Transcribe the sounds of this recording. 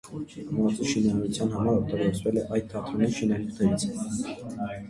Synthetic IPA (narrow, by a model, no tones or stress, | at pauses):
mɑt͡siʃinɑniut͡sʰjɑnɦɑmɑɾɔkt̪ɑɡɔɾt͡svɛlɛʔɑjd̪̚t̪ʰːɑχt̪ʰunɛʃinɑnukʰnɛɾit͡sʰ